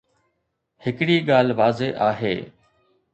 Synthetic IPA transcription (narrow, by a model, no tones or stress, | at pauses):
hɪkɽiːɠaːlʋaːzeːʔaːɦḛː